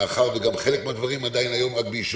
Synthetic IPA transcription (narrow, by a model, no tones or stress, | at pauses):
χaʁveɡamχe̞lekmead̪vaʁimad̪ajinajo̞mʁak̚beiʃ